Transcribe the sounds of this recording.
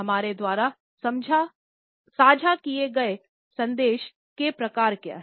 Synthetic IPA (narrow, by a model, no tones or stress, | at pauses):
ɦɐmaːɾed̪waːɾa | sɐmd͡ʒʱa | saːd͡ʒʱakieɡɐe | sɐ̃nd̪eːʃ | kepɾɐkaːɾkja̰ːɦ